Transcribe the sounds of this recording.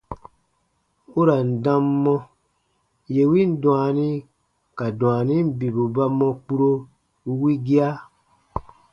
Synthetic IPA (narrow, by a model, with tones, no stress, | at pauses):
u˦ɾa˨n̩˨dã˦mːɔ̃˦ | je˨wi˦n̩˦dũ˨a˨nĩ˦ | ka˨dũ˨a˨nĩ˦m̩˦bi˨bu˨ba˦mɔ̃˧k͡pu˦ɾo˦ | u˦wi˦ɡi˦a˦